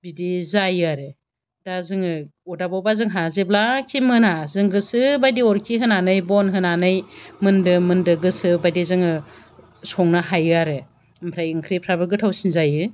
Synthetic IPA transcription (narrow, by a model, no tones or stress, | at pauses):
bidizajɯaɾɯ | dazɯŋɯɔdabawbazɯŋɦazeblakʰimɯnazɯŋɡɯsɯbajdiɔɾkʰiɦɯnanɯjbɔnɦɯnanɯjmɯndɯmɯndɯɡɯsɯbajdizɯŋɯ | sɔŋnaɦajɯaɾɯ | mpʰɾajɯŋkʰɾipʰɾabɯɾɡɯtʰawsinzajɯ